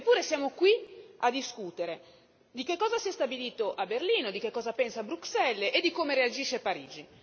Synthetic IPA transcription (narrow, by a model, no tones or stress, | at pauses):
epːuːɾesjaːmokwiad̪iskut̪eɾe | d̪ikekːɔːzasiɛst̪abiliːt̪oʔaberliːnod̪ik̟ekːɔːzapɛnsaːbɾuksɛlːʔed̪ikoːmeɾead͡ʒiʃepaɾḭːd͡ʒi